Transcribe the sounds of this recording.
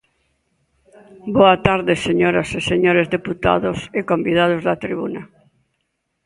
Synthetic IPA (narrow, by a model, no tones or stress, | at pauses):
boat̪aɾðeseɲoɾaseseɲoɾezðeput̪a̰ðosekõmbið̞að̞ozðat̪ɾiβuna